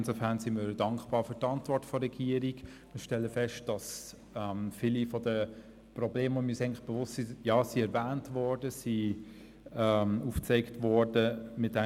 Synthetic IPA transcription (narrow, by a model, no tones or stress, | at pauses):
ɪnsofæʁnsimədɑŋkb̥ɑːfyːɾtɑntvɔɾtfɔɾɛɡ̥iːəɾik | mɪʃtɛlːəfɛʃt̚d̥ɑs | ɛmfilifɔdə | prɔbleːməomisɛɪŋnlɪχb̥evʊstsijɑːsiɛɾvæːntvɔɹdəsi | ɛmuːft͡seɪktvɔɹdəmɪt̚dɛ